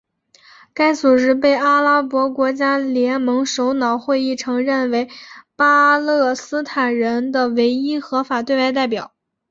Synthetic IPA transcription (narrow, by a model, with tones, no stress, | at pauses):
ka˥ɪsu˨˩ʂɻ̩˧˥p̬e˥˩ɪʔa˥la˥pwɔ˧˥kwɔ˧˥t͡ɕja˥ljɛ˧˥nmɤ˧˥ŋʂo˧˥ʊnɑ˨˩ʊxwe˥˧ɪi˥˩ʈ͡ʂʰɤ˧˥ŋɻə˥˩nwe˧˥ɪpa˥lɤ˥˩sɹ̩˥t̪ʰa˨˩nɻə˧˥nd̪ə˨we˧˥ɪi˥xɤ˧˥fa˨˩t̪we˥˧a˥˧ɪt̪̬a˥˩ɪpjɑ˨˩˦ʊ